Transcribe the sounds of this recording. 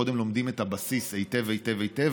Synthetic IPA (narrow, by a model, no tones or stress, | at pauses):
o̞d̪emlo̞md̪imetabasisejtevejtevejt̪ev